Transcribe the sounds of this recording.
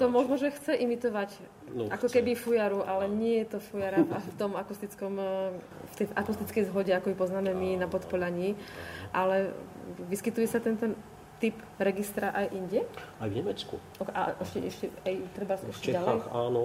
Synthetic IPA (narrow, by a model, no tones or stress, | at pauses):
t̪ɔmʊɔʒnɔʒɛxt͡sɛʔimit̪ɔʋac | nʔakɔkɛbifujaɾuʔalɛɲɪɛjɛt̪ɔfujaɾaft̪ɔmakust̪it͡skɔm | ft̪ɛjʔakust̪it͡skɛjzɦɔɟɛakɔipɔznaːmɛminapɔt̪pɔʎaɲiːʔalɛʋiskit̪ujɛsat̪ɛnt̪ɛn | t̪ip | ɾɛɡist̪ɾaʔajʔiɲɟɛajvɲɛmɛt͡skṵ | ɔa̰ʔɛʃcɛɛʃcɛajt̪ɾɛbaskuʃit͡ʃɛalɛjxaːnɔ